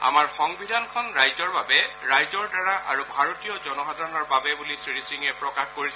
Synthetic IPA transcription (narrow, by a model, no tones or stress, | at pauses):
a̰maɹxɔŋbʱidʱankʰɔnɹajzɔɹbabɛɹajzɔɹdaɹaʔaɹubʱaɹotijɔzɔnɔɦadʱaɹɔnɔɹbabɛbulisɹiɹisiŋɛpɹɔkaxkoɹisɛ